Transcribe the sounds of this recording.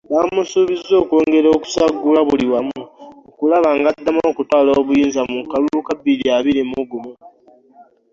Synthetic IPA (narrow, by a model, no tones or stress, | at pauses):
βamusuβizːo̞ːkwo̞ːŋɡe̞ɾoːku̥saɡːulaβuliwamuokulaβaːŋɡadːamoːkutwaːloːβujiːnzamukalukabiliaβiɾimuɡumu